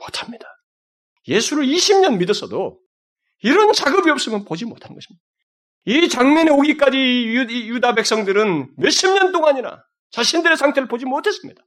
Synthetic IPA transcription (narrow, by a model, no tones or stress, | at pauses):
motʰḁmɲid̥a | je̞sʰuɾɯɭiɕʰimɲʌnmidʌs͈ʰʌdo | iɾʌnt͡ɕaɡɯbiʌp̚s͈ɯmjʌnpod͡ʑimotʰanɯnɡʌɕʰi̥mɲid̥a | it͡ɕaŋɲʌneoɡik͈ad͡ʑijudabe̞k̚s͈ʌŋdɯɾɯnmeɕ͈ʰimɲʌnt͈oŋaɲiɾa̰ | t͡ɕaɕʰindɯɾe̞sʰaŋtʰe̞ɾɯɭpod͡ʑimotʰe̞s͈ɯmɲid̥a